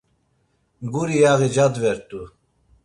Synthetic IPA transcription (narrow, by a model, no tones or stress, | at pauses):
ɡuɾijaɣid͡ʒad̪vɛɾt̪ʼu